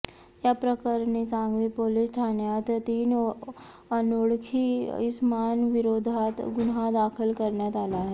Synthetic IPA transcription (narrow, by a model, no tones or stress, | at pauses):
japɾəkəɾnisãːŋɡʋipoːlɪst̪ʰaːnjaːt̪t̪iːn | ɐnoːɽkʰiɪsmaːnʋɪɾoːd̪ʱaːt̪ɡʊnɦad̪aːkʰəlkɐɾned̪aːlaɦɛː